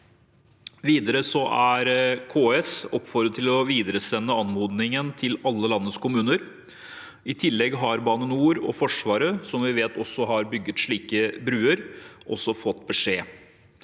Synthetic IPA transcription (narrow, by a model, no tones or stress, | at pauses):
ʋiːd̪əɾəsɔʔæɾkʰoːɛsɔpfɔɾd̪ət̪ʰːɪlɔʋiːd̪əɾəsɛnːəɑnmuːd̪nɪŋənt̪ʰɪlɑlːəlɑnːəskʰʊmʉːnəɾ | ɪt̪ʰɪlːɛɡɦɑɾbɑːnənuːɾɔfɔʂʋɑːɾəsɔmʋɪʋeːt̪ɔsːɔɦɑɾbʏɡːət̪ʂɭiːkəbɾʉːəɾʔɔsːɔfɔt̪ːbɛʂeː